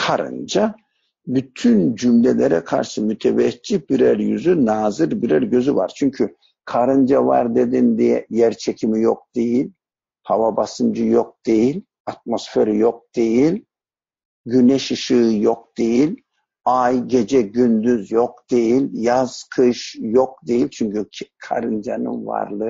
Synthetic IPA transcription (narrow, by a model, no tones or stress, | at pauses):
kʰaɾɯ̰nd͡ʒa | byt̪ʰynd͡ʒymlʲelʲeɾɛkʰa̰ɾʃɯmyt̪ʰevɛt͡ʃːib̥iɾæɾjy̰zynaːzɯɾbiɾæɾɟø̞zyva̰ɾ̥t͡ʃʰyɲcʰy | kʰaɾɯnd͡ʒava̰ɾd̪e̞d̪ind̪ijɛ̰jæɾt͡ʃʰecʰimijok̚d̪̥e̞jilʲ | havabasɯnd͡ʒɯjok̚d̪̥e̞jilʲ | at̪̚mo̞sfeɾɛjok̚d̪̥e̞jilʲ | ɟynɛʃɯʃɯɯjok̚d̪̥e̞jilʲ | ajɟe̞d͡ʒɛɟynd̪yzjok̚d̪̥e̞jilʲjaz̥kʰɯʃjok̚d̪e̞jilʲt͡ʃʰyɲcʰykʰa̰ɾɯnd͡ʒa̰nɯ̰nva̰ɾlˠɯ